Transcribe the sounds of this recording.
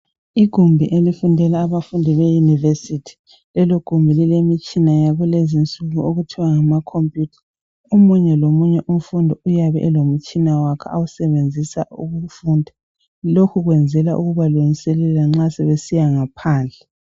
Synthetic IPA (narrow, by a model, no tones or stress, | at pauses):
iɡ̥ʱumbʱiʔelifundʱɛlaːβafundʱiβejunivesitʰi̥ | lɛloɡ̥ʱumbʱililemit͡ʃʼinajaɣulezint͡sʼuɣuoɣutʰiwaŋamakʰompʼjutʰḁ | omuɲɛlomuɲɛʔum̩fundʱɔujaβɛ̰ʔɛlom̩t͡ʃʼinawakʰɛ̰awusɛβend͡zʱisaṵɣufuːndʱa | lokʰuɣwɛnd͡zʱɛlaʔuɣuβaluŋisɛlɛlaŋ͡ǁasɛβesijaŋapʰaːnd͡ɮʱɛ